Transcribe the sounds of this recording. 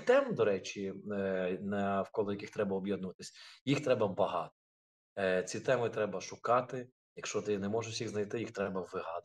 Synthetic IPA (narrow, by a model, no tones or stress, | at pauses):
t̪ɛmd̪ɔɾɛt͡ʃʲi | nɐwkɔlˠɔjɐkɪxt̪ɾɛbɐɔbʲjɛd̪nʊʋɐt̪ɪ̥sʲɐjixt̪ɾɛbɐbɐɦɑ̰t̪ɔ̥ | t͡sʲit̪ɛmɪt̪ɾɛbɐʃʊkɑt̪ɪ | jɐkʃt͡ʃɔt̪ɪnɛmɔʒɪʃʲjixznɐjt̪ɪjixt̪ɾɛbɐʋɪɦɑd̪